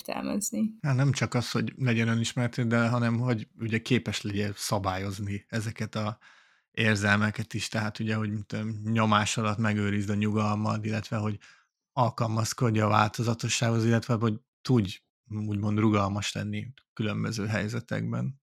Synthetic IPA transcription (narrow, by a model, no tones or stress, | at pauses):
t̪ɛ̰lmɛ̰znihaːt̪nɛmt͡ʃɒkɒsho̞ɟlɛɟɛnøniʃmɛɾɛt̪eːd̪ɛɦɒnɛmɦho̞ɟuɟɛkeːpɛʃlɛɟɛsɒbaːjo̞zniɛzɛkɛt̪ɒ | eːrzɛlmɛkɛt̪iʃt̪ɛɦaːt̪uɟɛɦo̞ɟmit̪ːmɲo̞maːʃɒlɒt̪mɛɡøːɾizd̪ɒɲuɡɒlmɒlilːɛt̪ʋɛɦo̞ɟ | ɒlkɒlmɒsko̞ɟːɒːva̰ːlt̪o̞zɒt̪o̞ʃːaːɡhozilːɛt̪ʋɛoɟ | t̪uɟ | uːɟmo̞nd̪ruɡɒlmɒʃlɛ̰nːikylø̞mbøzøːɦɛjzɛt̪ɛ̰ɡ̚bɛ̰n